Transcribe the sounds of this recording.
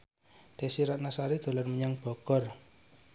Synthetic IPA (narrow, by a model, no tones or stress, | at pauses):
d̪̥e̤siɾaʔnasaɾid̪̥o̤lɔrməɲaŋb̥ɔ̤ɡ̥ɔ̤r